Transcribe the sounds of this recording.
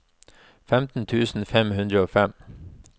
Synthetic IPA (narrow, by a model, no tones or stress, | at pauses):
fɛmt̪n̩t̪ʰʉːsn̩fɛmhʉnd̪ɾəoːfɛm